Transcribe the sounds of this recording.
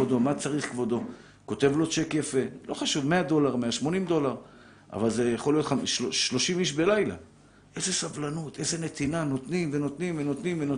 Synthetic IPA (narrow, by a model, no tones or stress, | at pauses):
od̪o̞mat͡saʁiχkvo̞d̪o̞ | ko̞t̪e̞vlo̞t͡ʃekjafelo̞χaʃuvme̞ad̪o̞laʁmeaʃmo̞nimd̪o̞laʁ | ʔa̰valze̞jeχo̞lijot̪χamʃoʃlo̞ʃimiʃbe̞lajla̰ | ʔe̞ze̞savlanut̪ʔe̞ze̞net̪inano̞t̪nimveno̞t̪nimveno̞t̪nimveno